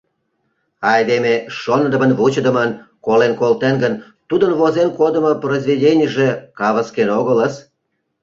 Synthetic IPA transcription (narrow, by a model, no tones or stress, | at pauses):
ɑjd̪emeʃonəd̪əmənβut͡ɕəd̪əmənkolenkolt̪enɡən | t̪ud̪ənβozenkod̪əmoprozvʲidʲenʲəʒekɑβəskenoɣələs